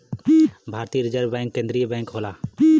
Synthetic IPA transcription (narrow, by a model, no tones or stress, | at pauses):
bʱaːɾt̪iːəɾɪd͡ʒəɾbɛ̃ːŋkːẽːnd̪ɾijəbɛ̃ːŋkɦoːlaː